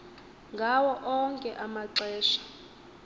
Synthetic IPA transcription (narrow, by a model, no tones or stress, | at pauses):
ŋɡʱawɔʔɔŋkʼɛʔamaǀɛːʃḁ